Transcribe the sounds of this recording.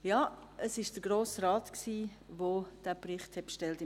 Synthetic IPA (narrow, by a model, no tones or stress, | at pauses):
jɑː | əsɪʃd̥əɡ̥ɾoːsraːtksiː | ʋod̥æːprɪχthɛt̚pʃtɛltɪ